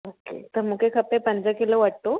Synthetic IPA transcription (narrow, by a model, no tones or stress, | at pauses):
okḛt̪əɾmukekʰəpepəɲd͡zakiloʋaɽt̪o